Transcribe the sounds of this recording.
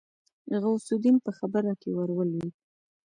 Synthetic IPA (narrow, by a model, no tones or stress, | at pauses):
ɣawsud̪inpəxabəɾakewaɾwəlwi